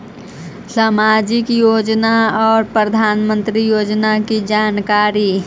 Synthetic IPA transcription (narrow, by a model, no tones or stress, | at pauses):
saːmaːd͡ʒɪkjoːd͡ʒnaɔːɾpɾəd̪ʱaːnmə̃nt̪ɾijoːd͡ʒnakid͡ʒaːnkaːɾi